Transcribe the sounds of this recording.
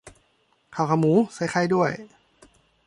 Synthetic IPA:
kʰa˨˩wkʰa˧˩muː˨˦sa˨˦˥jkʰa˧˥˩jdu˥˩əj

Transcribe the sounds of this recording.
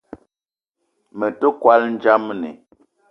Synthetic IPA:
mə˨to˦kwa˦ln̩˦d͡ʒa˦m˨nḛ˨

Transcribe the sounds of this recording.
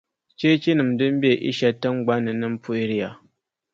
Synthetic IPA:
t͡ʃe˦t͡ʃi˦nɨ˨mdɨ˦m˦be˨ʔḭ˦ʃa˦tːə˦ŋ˦ɡ͡ba˦nɨ˨nɨ˦m˦pu˦i˦ɾi˦ja˨

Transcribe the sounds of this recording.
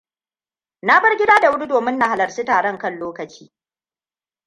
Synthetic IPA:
na˦bɐ˦rɡʲɪ˦daː˦da˨wʊ˦ɽu˦doː˨mɪ˦nːa˨ha˨lɐ˨rsiː˦taː˨ɽɔ˦˨ŋkɐ˦˨nloː˦kɐ˨t͡ʃiː˦

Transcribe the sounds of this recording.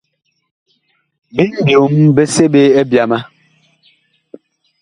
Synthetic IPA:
be˦m̩˨bjo˨mbe˦se˦be˦e˦bja˨ma˦

